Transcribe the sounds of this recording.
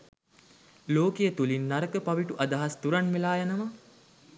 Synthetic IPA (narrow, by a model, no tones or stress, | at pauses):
loːkejət̪ulinːaɾəkəpaʋiʈuʔad̪aɦast̪uɾanʋelaːjanəmə